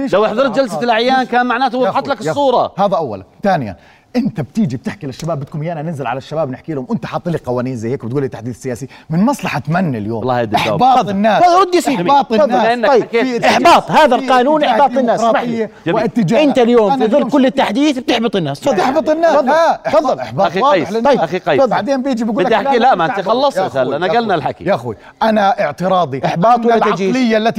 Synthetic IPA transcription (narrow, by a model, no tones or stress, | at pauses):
elawʔɪħðˤɑɾˤt̪̚d͡ʒalsalʔaʕjaːmkaːnmaʕnaːt̪ʊwɪħɑt̪ˤlakɨsˤːuːɾˤɑhaːðaʔawːala̰nt̪aːnɪja̰n | ʔɪnt̪ab̚t̪iːd͡ʒib̚t̪ɪħkilɪʃːabaːbːɪt̪kumjːaʔananɪnzɪlʕa̰laʃːabaːbnɪħkiːlhʊmʔɪnt̪aħɑt̪ˤːliqɑwaːniːnzajːheːk̚bɪt̪ɡuːlit̪ːaħd̪iːθsːɪjaːsimɪnmɑsˤlɑħat̪manːaljo̰ːmlˤːɑ̰ːhd̪ɪħbɑːtˤnːaːsaɾʊd̪jasiːɑːt̪ˤːʔɪnːaɑjkeːɪħbɑːt̪ˤhaːðalqɑːnuːnʔɪħbɑːt̪ˤɪnːaːsːmaħjːad͡ʒamwiɪt̪ːɪd͡ʒaʔɪnt̪aljoːmfiðˤɨlːkʊlːɪt̪ːaħd̪iːθb̚t̪ɪħbɨt̪ˤɪnːaːsfɑðˤɪħbɨt̪ˤɪnːaːɑðˤːafɑðːˤɑlħbɑaxiɑjːlˤɑjʔaxiqɑjːˤbaʕd̪eːmbjid͡ʒibɡuːɪld̪aħakilaʔmaʔɪt̪ixɑlːɑsˤmaθaːlʔanaɡalnalħakḭaxwi | ʔanaʔɪʕt̪ɨɾˤɑːd̪ˤiʔɪħbɑːt̪ˤwɪalad͡ʒiːlɪjːalːat̪